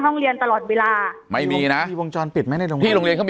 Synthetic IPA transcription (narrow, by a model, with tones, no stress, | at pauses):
ɦɔ˥˩ŋɾi˧ənt̪a˧lɔː˨˩t̪̚weː˧laː˧ma˥˩jmiː˧na˦˥ʔiː˧wo˧ŋt͡ɕɔː˧npi˨˩t̪̚ma˦˥jna˥˩jɾo˧ŋʰiː˧˥˩ɾo˧ŋli˧ənkʰ